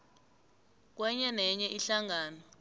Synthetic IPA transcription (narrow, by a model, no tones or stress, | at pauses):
k̬wɛɲɛnɛɲɛʔiɬaŋaːnɔ